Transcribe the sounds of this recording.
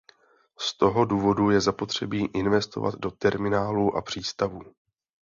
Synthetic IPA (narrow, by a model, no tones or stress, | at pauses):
st̪o̞ɦo̞duːvo̞dujɛzapo̞t̪r̝̥ɛbiːʔɪnvɛst̪o̞̰va̰d̪do̞t̪ɛɾmɪnaːluːʔa̰pr̥iːst̪avuː